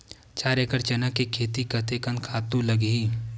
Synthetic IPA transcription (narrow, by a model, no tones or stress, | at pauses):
t͡ʃaːɾekəɾt͡ʃɐnəkekʰeːt̪ikɐt̪ekə̃nd̪kʰaːt̪ũlɐɡɦiː